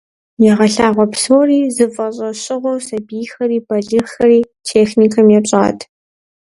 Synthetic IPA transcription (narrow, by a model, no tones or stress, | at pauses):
jɛʁɐɬaːʁʷɔpsoːriːzɨfʼɐɕʼɐɕʼɪʁʷɔwsɐbiːjxɐɾiːbʰɐɮɨxɐɾiː | tʰeːxnikʰɐmjɛɕʼa̰ːtʰ